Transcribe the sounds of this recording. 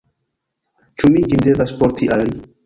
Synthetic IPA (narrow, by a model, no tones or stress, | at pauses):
t͡ʃumid͡ʒind̪evaspoɾt̪ʰiʔalli